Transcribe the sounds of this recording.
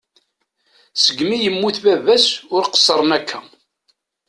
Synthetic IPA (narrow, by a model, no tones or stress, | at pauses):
səɡmijəmːuθbævæsʊɾqə̥sˤːəɾˤənækʰːæ